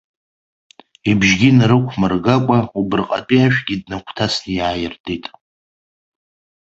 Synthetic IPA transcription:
ibʒɡʲinɾɨkʷʰmɨrɡakʷʼaubɨrqʼa̰tʼiaʃᶣɡʲidnakʷʰtʰasnijaːjɪrdʰʼitʼ

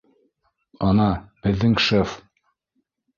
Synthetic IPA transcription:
ɑnɑb̥ɘ̆ðːɘŋʃef

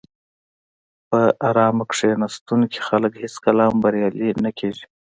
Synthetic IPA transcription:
pəʔaɾɑːmakʂenast̪unki̥xaləkhɪskalɑːmbaɾjɑːlinakʰeːʒi̥

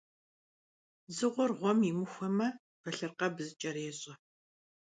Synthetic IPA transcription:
zɨʁʷɔrʁʷɔmimɨxʷɐmɐ | qɐɬɨrqɐbzɨt͡ʃʼɐɾeːɕʼɐ

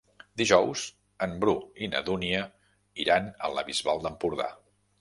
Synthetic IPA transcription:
d̪iʒɔwz | əmbɾuinə̰ðuniə | iɾanə̰ləβizβalˠd̪əmpuɾða̰

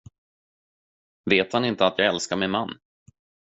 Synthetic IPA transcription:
veːt̪hanɪnt̪əat̪jɑːɡɛlskaɾmɪnmanː

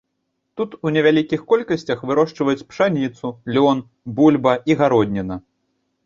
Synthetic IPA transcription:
t̪ut̪unʲɛvʲalʲikʲixkɔlʲkɐsʲt͡sʲɐxvɨɾɔʂt͡ʂvɐjut͡sʲpʂanʲit̪sulʲɔn | bulʲbɐiɣaɾɔd̪̚ʲnʲɛnɐ

